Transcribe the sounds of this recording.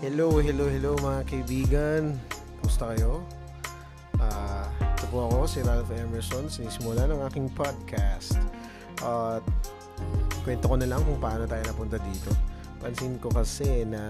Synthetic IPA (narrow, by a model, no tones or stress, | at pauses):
hɛlowɦɛlowhɛlowmɐŋakɐʔɪbiːɡɐn | mʊst̪ɐkɐjo̞ | ʔaːʔɛt̪opʊʔɐko̞sɪɾalfʔɛmɛɹsonsɪniːsɪmʊlanɐŋʔaːkɪŋpʰad̪̚kʰast̪ | ʔat̪̚ | kwɛnt̪okonɐlɐŋkʊŋpɐʔaːno̞t̪aːjonɐpʊnt̪ɐd̪iːt̪o̞ | pɐnsinko̞kɐsɛnɐ